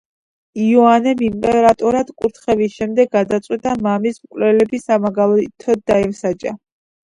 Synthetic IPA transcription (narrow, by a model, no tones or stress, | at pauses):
iɔanɛmimkʼɛɾat̪ʼɔɾad̪kʼuɾt̪ʰχɛvisʃɛmd̪ɛɡːad̪at̪sʼwit̪ʼamamismkʼlɛlɛbisamaɡalˠɔt̪ʰɔdd̪aɛlsat͡ʃʼa̰